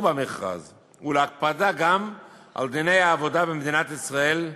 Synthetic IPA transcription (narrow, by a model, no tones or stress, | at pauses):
bameχʁa̰z | uleak̚pad̪aɡam | ʔa̰ld̪ine̞jaːvo̞d̪abemd̪inat̪isʁae̞l